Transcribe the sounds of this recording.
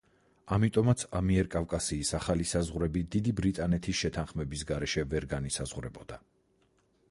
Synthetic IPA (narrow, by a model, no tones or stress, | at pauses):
amit̪ʼɔmat̪sʰamiɛɾkʼavkʼasiːsaχalisazʁɾɛbid̪id̪ibɾit̪ʼanɛt̪ʰisʃɛt̪ʰanχmɛbis̬ɡaɾɛʃɛvɛɾɡanisazʁɾɛbɔd̪a